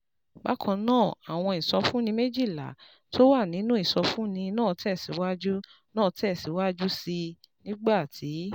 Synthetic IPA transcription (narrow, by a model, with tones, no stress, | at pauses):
ba˦kʰɔ̃˧nãː˦˨a̰˨w̃ɔ̃˧i˨sɔ˧fũ˦nĩ˧me˦d͡ʒi˦˨la̰˨ | tʰo˦wa˦˨nĩ˨˦nũ˦i˦˨sɔ˧fũ˦nĩ˧nãː˦˨tɛ˦˨si˨˦wa˦d͡ʒu˦ | nãː˦˨tɛ˦˨si˨˦wa˦d͡ʒu˦si˧nĩ˦ɡ͡ba˦˨tʰi˨˦